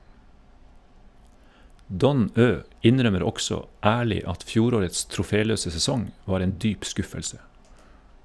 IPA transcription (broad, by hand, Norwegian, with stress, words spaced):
ˈdɔn ˈøː ˈɪnɾœməɾ ˈɔksɔ ˈæːɭɪ ˈɑt ˈfjuːɾoːɾəts tɾʊˈfeːˌløːsə sɛˈsɔŋ ˈʋɑːɾ ˈeːn ˈdyːp ˈskʉfəlsə